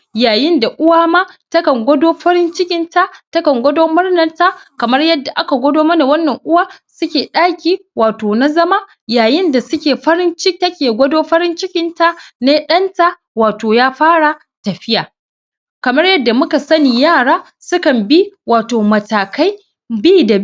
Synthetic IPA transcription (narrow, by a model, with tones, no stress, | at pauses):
jaː˨jɪ˦nda˨ʔʊ˦waː˦maː˦tɐ˦kɐ˨ŋɡʷɐ˦doː˦ɸɐ˦ɽɪ˦nt͡ʃɪ˦kʲɪ˦nta˦ʔtɐ˦kɐ˨ŋɡʷɐ˦doː˦mʊ˦rnɐ˨rta˦kɐ˨mɐ˦rjɐ˦dːa˨ʔa˦ka˨ɡʷɔ˦doː˦mɐ˦na˨wɐ˦nːɐ˨ŋʔʊ˦waː˦sʊ˦kʲeː˨ɗaː˦kʲiː˦waː˨toː˨na˦zɐ˦ma˦ | jaː˨jɪ˦nda˨sʊ˦kʲeː˨ɸɐ˦ɾɪ˦nt͡ʃɪ˦tɐ˦kʲeː˨ɡʷɐ˦doː˦ɸɐ˦ɾɪ˦nt͡ʃɪ˦kʲɪ˦nta˦ne˦ɗɐ˦nta˦ | waː˨toː˨jaː˦ɸaː˦ɽa˨ | tɐ˨ɸɪ˦jaː˨ | kɐ˨mɐ˦rjɐ˦dːa˨mʊ˦ka˨sɐ˦niː˨jaː˦˨ɽaː˦ | sʊ˦kɐ˨mbi˦waː˨toː˨mɐ˨taː˨ka˦j | biː˦da˨